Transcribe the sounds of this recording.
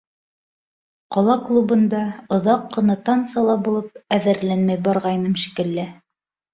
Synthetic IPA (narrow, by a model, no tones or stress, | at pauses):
qɒlˠɑklˠubɤ̆nd̪ɑŏðɑqːɤ̆nɑt̪ɑnt̪sɑlˠɑbulˠɤp̚æðɘ̆ɾlænmæjbɑɾʁɑjnɤmʃi̥kɘ̆lːɘ